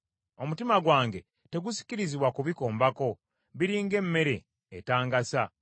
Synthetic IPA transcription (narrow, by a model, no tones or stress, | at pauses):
o̞mutimaɡwaːŋɡe̞ | te̞ɡusi̥ciɾiziβwakuβiko̞ːmbako̞ | βiɾiːŋɡe̞mːe̞ɾe̞̰ː | taːŋɡasa